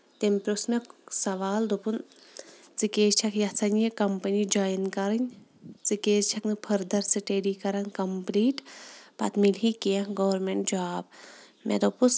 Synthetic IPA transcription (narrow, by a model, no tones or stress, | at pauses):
t̪empɾusnɐksɐʋaːld̪opun | t͡sikeːt͡ʃʰɐkjɐsɐnjɐkɐmpɐnid͡ʒaːjɐnkɐɾɐnʲ | t͡sikeːst͡ʃʰɐknɨpʰɐɾd̪ɐɾsɨʈeːɖikɐɾɐnkɐmpliːʈpɐ̰t̪milɦikijãɡɐʋɐɾmeɳʈ̚d͡ʒaːb | mḛd̪opus